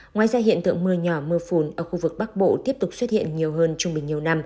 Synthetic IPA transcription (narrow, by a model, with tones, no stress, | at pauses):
ŋwaː˨˩jzaː˧ɦḭ˧˨ənt̪ɨ̰˧˨əŋmɨ˧əɲɔ˧˩mɨ˧fu˧˩nʔəː˧˩xu˧vɨ˨˩k̚ɓa˦˥k̚ɓo̰˧˨t̪i˦˥əp̚t̪ʊ˨˩k͡p̚swə˦˥t̚hḭ˧˨ənɲi˨˩əwɦəː˧nt͡ɕʊ˧ŋ͡mɓï˨˩ŋ̟ɲi˨˩əwna˧m